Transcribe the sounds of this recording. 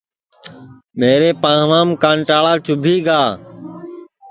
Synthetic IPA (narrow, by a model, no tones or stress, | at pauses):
meːɾeːpãːʋãːmkaːɳʈaːɭaːt͡ʃʊbʱiːɡaː